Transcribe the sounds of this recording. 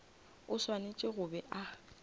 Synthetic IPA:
ʊswanet͡ʃʼɪɣʊbɛʔa

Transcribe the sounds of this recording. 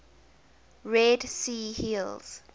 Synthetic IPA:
ɹɛdsiːhilz̥

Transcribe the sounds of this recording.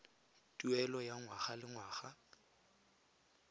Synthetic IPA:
tʼuɛlɔjaŋwaχalɪŋwaːχa

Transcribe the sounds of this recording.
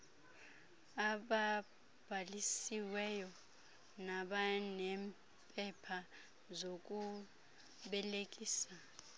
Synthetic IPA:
aɓa | b̥ʱalisiwɛjɔ | naɓanɛm | pʼɛpʰa | zok̬ʼu | ɓɛlekʼiːsa

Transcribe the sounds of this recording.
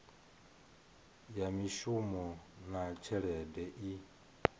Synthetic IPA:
jamiʃumɔnat͡ʃʰɛɺɛdɛʔi

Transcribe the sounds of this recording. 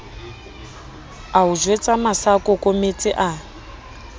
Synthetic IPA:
aud͡ʒwet͡sʼamasakʼɔkʼomet͡sʼɪʔa

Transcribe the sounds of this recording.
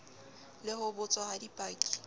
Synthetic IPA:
lɪɦʊbʊt͡sʼɔhadipʼaːkʼi̥

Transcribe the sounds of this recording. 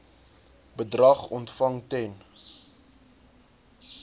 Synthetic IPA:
bədrɐχɔntfɐŋtɛn

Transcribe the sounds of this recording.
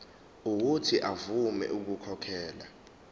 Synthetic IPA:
uk̬utʰiʔavumɛ̰ʔuk̬ukʰɔkʰɛːla

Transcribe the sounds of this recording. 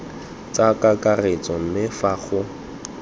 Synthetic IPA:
t͡sʼakʼakʼaret͡sʼɔm̩mɪfaɣʊ

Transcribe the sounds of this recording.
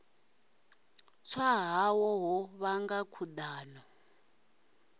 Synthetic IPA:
t͡sʰwaɦawɔɦɔβaŋɡakʰudaːnɔ

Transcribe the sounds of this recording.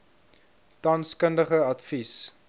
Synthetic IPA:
tɐnskəndəχəɐtfis

